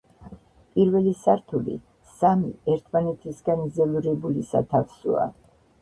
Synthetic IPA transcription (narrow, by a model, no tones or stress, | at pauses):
pʼiɾvɛlisaɾt̪ʰulḭ | samiɛɾt̪ʰmanɛt̪ʰisɡanizɛluɾɛbulisa̰t̪ʰafsṵa̰